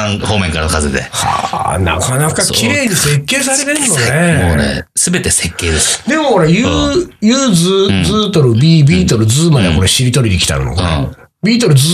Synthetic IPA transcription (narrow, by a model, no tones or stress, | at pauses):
ãhoːmẽ̞ŋkaɾaokazed̪ḛha̰na̰kanakakʲiɾe̞ːɲ̟ise̞kːe̞ːs̬aɾe̞t̪ẽ̞nːoneonḛsɨbe̞t̪e̞sekːe̞ːd̪esd̪e̞mo̞ho̞ɾajɯːjɯːd͡zɨzɨːt̪o̞ɾɯ̟bʲiːbʲiːt̪o̞ɾɯ̟d͡zɨːmad̪ea̰ko̞ɾeɕiɾʲit̪o̞ɾʲid̪ekʲi̥t̪a̰ɾɯ̟no̰kː | bʲiːt̪̬o̞ɾɯ̟z